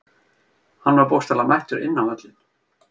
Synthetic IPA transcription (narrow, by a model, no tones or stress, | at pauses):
hanːvaɾpowst̪alamajht̪ʏɾɪ̰nːanvɛt̪lɪn